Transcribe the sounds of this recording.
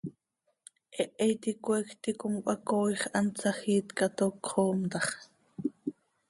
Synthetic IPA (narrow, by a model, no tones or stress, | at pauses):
ʔɛʔɛjt̪ikʷekt̪ikʊmkʷʼʔɑkoːjχʔɑnt͡sɑxiːt̪kɑt̪okχoːmt̪ɑχ